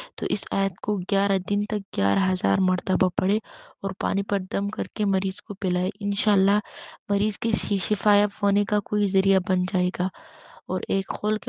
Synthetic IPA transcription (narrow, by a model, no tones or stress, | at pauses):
t̪o̰ʔɪsa̰ːjət̪koɡjaːɾad̪ɪnt̪ɐk̚ɡjaːɾaɦɐza̰ːɾmɐɾt̪əbapɐɽeɔːɾpa̰ːnipɐɾd̪ɐmkɐɾkemɐɾiːz̥kopɪlaːeʔɪnʃaːlːaɦmɐɾiːzkeʃɪfaːjɐt̪ɦoːnekakoːizɐɾijabɐnd͡ʒaːeːɡaːɔːɾeːkxoːlke